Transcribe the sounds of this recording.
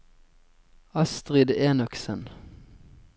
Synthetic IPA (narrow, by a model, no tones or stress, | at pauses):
ɑst̪ʁɪd̪eːnɔksən